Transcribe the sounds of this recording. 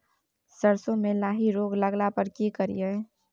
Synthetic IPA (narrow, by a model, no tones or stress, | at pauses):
səɾsõmẽlaːɦiɾoːɡləɡlapəɾkikəɾḭe